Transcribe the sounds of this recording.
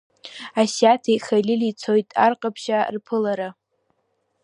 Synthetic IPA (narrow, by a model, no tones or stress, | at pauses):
asatʰijχajlʲɪlit͡sʰo̞jtʼarqʼapʰʃarpʰɨlaɾa